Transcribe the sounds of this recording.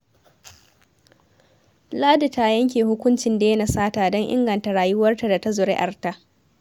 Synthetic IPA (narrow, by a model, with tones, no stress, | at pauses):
laː˦di˨ta˦jɐ˦ŋk̬ʲeː˨hʊ˦kʷʊ˦nt͡ʃɪ˨nda˨je˦na˨saː˦taː˨dɔ˦ŋʔɪ̰˦ŋɡɐ˨nta˨ɽaː˨jʊ˦wɐ˦rta˨da˨ta˦zʊ˨ɾɪ̰˦ʔa˨rta˦ʔ